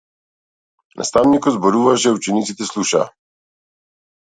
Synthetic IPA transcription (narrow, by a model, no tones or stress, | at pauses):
nʔa̰st̪awnikɔzbɔɾuːvaʒɛut͡ʃɛnit̪it̪ɛsluʃa̰